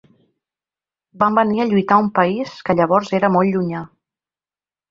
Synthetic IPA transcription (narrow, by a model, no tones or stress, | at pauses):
bambəniəʎujt̪aumpəiskəʎəβ̞ɔɾzeɾəmolˠʎuɲa